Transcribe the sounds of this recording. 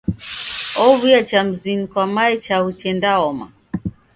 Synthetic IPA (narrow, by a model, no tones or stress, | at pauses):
ɔβuat͡ʃam̩zinikwamaɛt͡ʃahut͡ʃɛndaɔma̰